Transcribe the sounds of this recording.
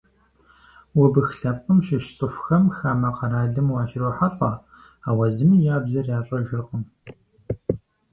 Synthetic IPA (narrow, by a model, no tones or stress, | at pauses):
wɐbɨxɬɐpʼəmʃɪʃt͡sʼɨxʷʊxɐmxaːmɐqɐɾaːɮɨmwɑːʃɪɾoːħaɬʼɐ | aːwɐzɨmijaːbzɐrjaːɕʼɐʒɪrqʼəm